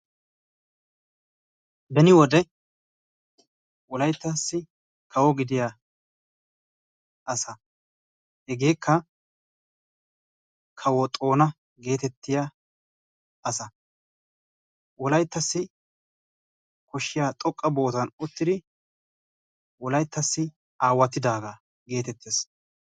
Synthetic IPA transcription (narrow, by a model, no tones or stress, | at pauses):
bɛnɪwɔd̪ɛ | wɔlɐjt̪ːɐsːɪ | kʰɐwɔɡɪd̪ɪja | ʔɐsɐ | hɛɡe̞ːkʰːɐ | kʰɐwɔt̪ʼo̞ːnɐ | ɡe̞ːt̪ɛt̪ːɪja | ɐsɐ | wɔlɐjt̪ːɐsːɪ | kɔʃːɪjaːt̪ʼɔkʼːɐbo̞ːt̪ɐnɔt̪ːɪd̪ɪ | wɔlɐjt̪ːɐsːɪ | ʔaːwːɐt̪ːɪd̪aːɡaː | ɡe̞ːt̪ɛt̪ʰːeːs